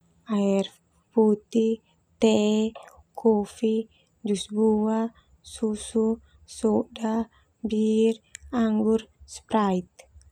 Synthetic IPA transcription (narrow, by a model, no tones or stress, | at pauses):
air | put̪i | t̪ɛ | kʰofi | d͡ʒusbua | susu | sɔda | biraŋɡurspɾait̪̚